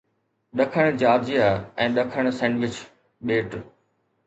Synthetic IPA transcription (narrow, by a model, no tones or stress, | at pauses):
ɗɐkʰəɽ̃d͡ʑaːɾd͡ʑijaɛ̃ːɗɐkʰəɽ̃sɛ̃ːɳɖʋɪt͡ɕ | ɓeːʈ